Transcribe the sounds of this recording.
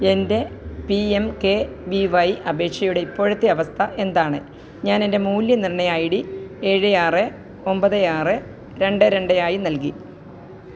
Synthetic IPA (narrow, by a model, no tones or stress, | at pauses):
e̞nde̞piemke̞ʋiʋɐjʔɐbe̞ːkʂɐjuɽe̞ipːo̞ːɻɐt̪ːeɐʋɐst̪ʰɐʔe̞nd̪aːɳɨ | ɲaːnende̞muːljɐnirɳːɐjaːjiɽie̞ːɻɨjaːrɨ | o̞mbɐðɨjaːrɨ | ɾe̞ɳɖɨɾe̞ɳɖɐjaːjinɐlki